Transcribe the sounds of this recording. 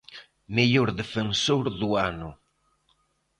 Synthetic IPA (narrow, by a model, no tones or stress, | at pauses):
meʎoɾðefensoɾðuanʊ